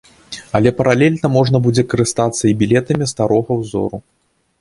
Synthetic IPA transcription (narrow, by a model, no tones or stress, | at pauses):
ɐlʲɛpɐɾalʲɛlʲnɐmɔʐnɐbud͡zʲɛkɐɾɨst̪at̪sːɐibʲilʲɛt̪ɐmʲist̪aɾɔɣɐwzɔ̰ɾu